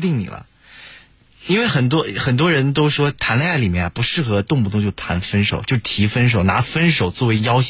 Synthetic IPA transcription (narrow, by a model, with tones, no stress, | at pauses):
t̪i˥˩ŋnḭ˨˩lə̰˦ | i˥nwe˥˩ɪxə˨˩nt̪̬wɔ˥xə˨˩nt̪̬wɔ˥ɻə˧˥nt̪̬o˥ʊʂwɔ˥t̪ʰa˧˥nle˥˧a˥˩li˨˩mjɛ˥˩na˧˩pu˧˥ʂɻ̩˥˩xɤ˧˥t̪ʊ˥˧ŋpu˥˩t̪ʊ˥˧ŋt͡ɕjo˥˩ʊt̪ʰa˧˥nfə˥nʂo˨˩ʊt͡ɕjo˥˧ʊʂ̩˩t̪ʰi˧˥fə˥nʂ̬o˨˩ʊna˧˥fə˥nʂo˨˩ʊt͡swɔ˥˩we˧˥ɪjɑ˥ʊɕ